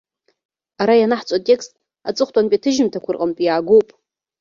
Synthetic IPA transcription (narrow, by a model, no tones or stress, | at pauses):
aɾajanaħt͡sʷʼatʼe̞kstʼ | at͡sʼɨχʷtʼanpʲʼitʰɨʒɪmtʰakʷʰʊrqʼəmpʼijaːɡowpʼ